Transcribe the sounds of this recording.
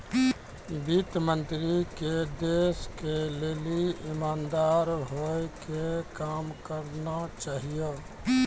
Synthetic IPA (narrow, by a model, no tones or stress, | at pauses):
bit̪mə̃nt̪ɾiked̪eːskeleːliɪmaːnd̪aːɾɦoːekekaːmkəɾnat͡ʃaːɦijo